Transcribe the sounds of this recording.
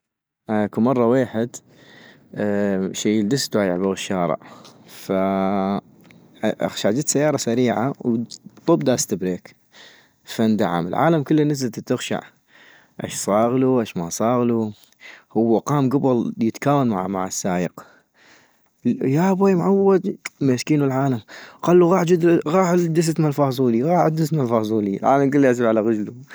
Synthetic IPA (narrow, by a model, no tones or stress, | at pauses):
ʔakumɑrˤːɑweːħɪd̪ | ʃeːjəld̪ɪst̪wajɪ̰ʕbaɣɪʃːɑːɾə̰ʕfa | ʔa̰xʃaʕd͡ʒɪt̪sajːɑːɾˤɑsaɾiːʕawt̪ˤʊbd̪ast̪abɾeːk | fand̪a̰ʕa̰mɪlʕa̰ːlamkʊlːinɪzlt̪t̪ːɪxʃa̰ʕ | ʔa̰ʃsˤɑːɣluʔaʃma̰sˤɑːɣlu | hʊwːaqɑːmɡʊbʊljət̪kaːwanma̰ʕama̰ʕasːaːjəq | jabaːjmʕawːad̪meskiːnəlʕaːlamqaːlːuɣɑːħd͡ʒɪd̪ɣɑːħd̪ɪs̬at̪malfɑːsˤuːliɣɑːħad̪ːɪst̪malfɑzˤuːlilʕa̰ːlamkɪlːiʔas̬ilʕalaɣad͡ʒlu